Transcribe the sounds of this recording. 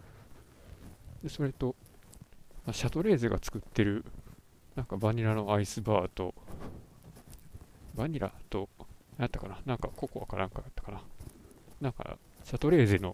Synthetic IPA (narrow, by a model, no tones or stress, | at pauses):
d̪e̞so̞ɾe̞t̪o̞ | maɕat̪o̞ɾe̞ːzeɡat͡sɨ̥kɯ̟t̪ːe̞ɾɯ̟ | nãŋkabaɲ̟iɾano̞aisɨbaːt̪o̞ | baɲ̟iɾʔa̰t̪o̞jat̪ːḁkananãŋkako̞koβakanãŋkajat̪ːḁkana | nãŋka̰ | ɕat̪o̞ɾe̞ːze̞no̞̰